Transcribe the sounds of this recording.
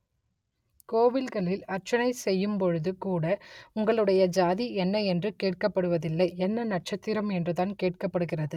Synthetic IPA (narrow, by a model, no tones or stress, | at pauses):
koːʋɪlɣɐɭɪlɐɾt͡ʃɐnɐɪsɛjːɯmpɔɻɯðɯkuːɽɐʊŋɡɐɭɯɽɐjɐd͡ʒaːðiɛnːɐɛndrɯkeːʈ̚kɐpːɐɽɯʋɐðɪlːɐɪɛnːɐnɐʈ̚t͡ʃɐt̪ːɪɾɐmɛndrɯðaːnkeːʈ̚kɐpːɐɽɯɣɪrɐðɯ